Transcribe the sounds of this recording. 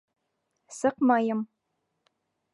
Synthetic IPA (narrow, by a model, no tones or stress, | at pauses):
sɨqmɑjɪm